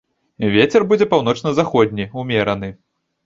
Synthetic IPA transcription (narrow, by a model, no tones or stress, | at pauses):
vʲet͡sʲɛrbud͡zʲɛpawn̪ɔt͡ʂnɐzaxɔd̪ʲnʲiumʲɛɾɐnɨ